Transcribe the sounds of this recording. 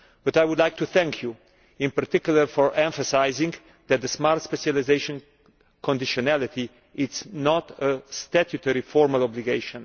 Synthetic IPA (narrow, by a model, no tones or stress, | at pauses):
b̥at̪ajwʊd̪lajk̚t̪uθɛ̃ŋkʰju | ɪ̃npaɾt̪ɪkjuləɾfɔɹʔɛ̃ɱfəsajzɪ̃ŋ | d̪ɛt̪̚d̪əsmaɾt̪spɛʃalizeʃɔ̃n | kʰɔ̃nd̪ɪʃɔnælit̪i | ɪtsnɔt̪əst̪atjut̪ɛɹifɔɹmalɔbliɡeɪʃɔ̃n